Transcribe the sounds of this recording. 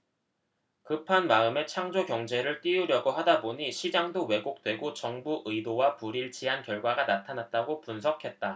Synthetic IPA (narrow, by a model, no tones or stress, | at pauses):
kɯpʰanmaɯme̞t͡ɕʰaŋd͡ʑokjʌŋd͡ʑe̞ɾɯɭt͈iuɾjʌɡoɦadaboɲiɕʰid͡ʑaŋdowe̞ɡok̚t͈we̞ɡot͡ɕʌŋbuʔɯidowapuɾiɭt͡ɕʰiɦankjʌɭɡwaɡanatʰanat̚t͈aɡopuns̬ʰʌkʰe̞t̚t͈a